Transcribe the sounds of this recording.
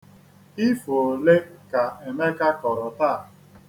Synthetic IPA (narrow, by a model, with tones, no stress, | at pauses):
i˦fo˨o˨le˦ka˨e˨me˦ka˦kɔ˨ɾɔ˨ta˦˨